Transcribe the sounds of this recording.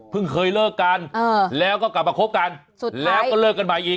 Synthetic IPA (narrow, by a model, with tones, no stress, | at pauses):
pʰɯ˥˩ŋkʰɤː˧jlɤː˥˩kːa˧nː˧˩lɛː˦˥wkɔː˥˩kla˨˩p̚maː˧kʰo˦˥p̚ka˧n | u˨˩lɛː˦˥wkɔː˥˩lɤː˥˩kːa˧nma˨˩jʔiː˨˩